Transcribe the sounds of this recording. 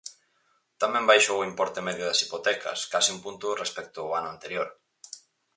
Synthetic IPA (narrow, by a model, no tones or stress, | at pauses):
t̪amɛ̃mbajʃoʊimpɔɾt̪emɛðjʊðɐsipot̪ɛkʰɐ̰skasiumpunt̪ʊrespɛk̚t̪ʊːanʊant̪eɾjoɾ